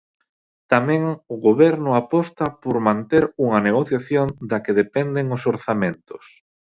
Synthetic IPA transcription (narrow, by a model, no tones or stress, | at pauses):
t̪amɛ̃ŋʊɣoβɛɾnʊapɔst̪ɐpoɾmãnt̪eɾuŋɐneɣ̞oθjaθjond̪akeðepɛnd̪eŋʊsoɾθamẽnt̪ʊs